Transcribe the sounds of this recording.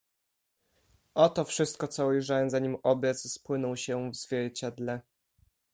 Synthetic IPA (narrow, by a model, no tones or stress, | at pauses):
ʔɔt̪ɔfʂɘst̪̚kɔt̪sɔujʐawɛmzaɲimɔbʲjɛt̪sspwɘnɔ̃wɕɛvz̥vʲjɛɾt͡ɕad̪lɛ